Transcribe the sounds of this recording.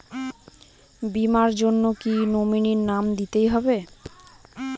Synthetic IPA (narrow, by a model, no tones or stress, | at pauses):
bimaɾd͡ʑonːokinominiɾnamd̪it̪ejɦɔbe